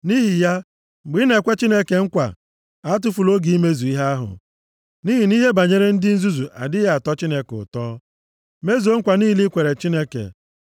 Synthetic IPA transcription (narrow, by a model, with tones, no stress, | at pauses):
ni˦ɦi˨ja˦˨ | ɡ͡bi˦ne˨kʷe˦t͡ʃi˦ne˦ke˨ŋ̩˦kʷa̰˨ | a˦t̬ʊ˦fu˨lo˦ɡi˨i˦me˦zu˨i˦ɦa˦a˦ɦʊ̰˨ | ni˦ɦi˨ni˦ɦe˦ba˨ɲe˦ɾe˦n̩˦dɪ˦n̩˦zu˦zu˨ʔa̰˨dɪ˦a˨tɔ˦t͡ʃi˦ne˦kʊ̰˨tɔː˦ | me˦zu˨o˦ŋ̩˦kʷa˨niː˦˨li˦kʷe˨ɾe˨t͡ʃi˦ne˦kḛ˨